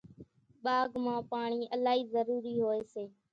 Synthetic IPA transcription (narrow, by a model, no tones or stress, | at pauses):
ɓaːɡmãːpaːɳiːʔəlaːɦiːzəɾuːɾiːɦoːeːseː